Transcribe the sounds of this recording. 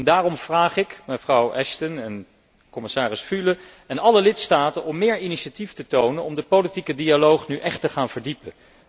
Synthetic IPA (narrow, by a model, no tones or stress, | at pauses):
ndaːrɔmv̥raːχɪkməjvrɑwʔɛʃtənɛn | kɔmɪsaːrɪsfylə | ɛnɑləlɪtstaːtənɔmːɪːɹiniʃatiftətownənɔmdəpolitikədialowχnyʔɛχtəχaːnv̥əɹdipən